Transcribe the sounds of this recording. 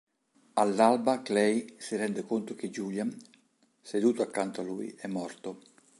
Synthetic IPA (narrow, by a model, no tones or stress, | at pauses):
alːalbaklɛjsiɾɛnd̪ekont̪ok̟ed͡ʒulja | sed̪uːt̪oakːant̪oaluːj̰ɛmːɔrt̪o